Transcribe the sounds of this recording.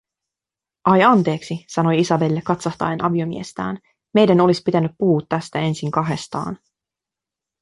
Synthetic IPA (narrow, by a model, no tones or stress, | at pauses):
ʔɑjɑnt̪e̞ːksisɑno̞jisɑbelːekːɑt̪sɑht̪ɑ̰jenʔɑʋio̞mḭe̞st̪æ̰ːn | me̞jdæno̞lispit̪ænyppuːt̪ːæst̪æe̞nsiŋkɑɦe̞st̪ɑ̰ːn